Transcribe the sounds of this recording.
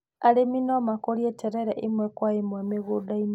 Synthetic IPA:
aliminomakoljetʰeɾeɾeʔimwekwaimwemiɣudaim

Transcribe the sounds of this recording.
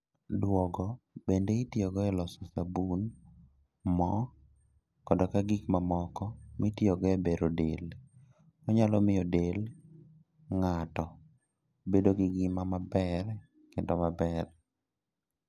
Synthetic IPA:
dwɔɡɔbendeitjɔɡɔɛlɔsɔsabun | mɔ | kɔdɔkaɡikmamɔkɔmitjɔɡɔɛbeɾodel | ɔɲalɔmɪjɔdel | ŋatɔ | bedoɡɪɡɪmamabɛr | kendɔmabɛr

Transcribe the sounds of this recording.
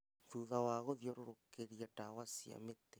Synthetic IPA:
ðuðawaɣoðjoɾoɾokeɾiaʈawasia̰met̪e

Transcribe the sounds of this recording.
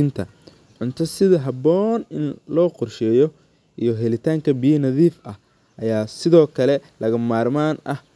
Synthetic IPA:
ɪnt̪ʰɐ̰ | ʕʊnt̪ʰɐsɪðɐɦɐbɔːnɪnlɔːqʊrʃɛjɔ | ʔijɞɦɛlɪt̪ʰaːŋkʰɐbijɐnɐðiːfɐh | ʔɐjaːsɪðɔːkʰɐlɛlɐɣɐmaːrmaːnʔɐh

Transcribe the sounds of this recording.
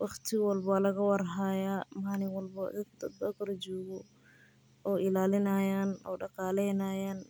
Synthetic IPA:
wɑχt̪ʰɪwɐlbɐlɐɣɐwɑrɦaːjaːmaːnɪwɐlbɐɪd̪d̪ɔkɾd͡ʒɔːɣɔ | ɔːʔɪlaːlɪnɐjaːnɔːɖɑqɑːlɛjnɐjaːn

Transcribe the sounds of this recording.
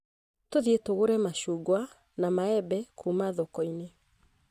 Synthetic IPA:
toðietoɣoɾɛmaʃuːɡwa | namaɛbɛkʰumaðɔkɔine

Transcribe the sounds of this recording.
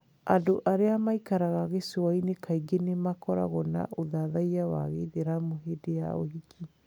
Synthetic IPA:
adoʔaɾeamaikaɾaɣaɣesoainekʰaiɡenemakɔɾa̰ɣɔna̰ʔoðaðaiawa̰ɣeðeɾamoɦedeja̰o̰ɦikʰi

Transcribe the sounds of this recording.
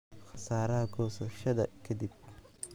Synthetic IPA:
xɐ̥saːɾɐhɐɡʰɔsɐʃɐðɐ̰kʰɐd̪ib̚

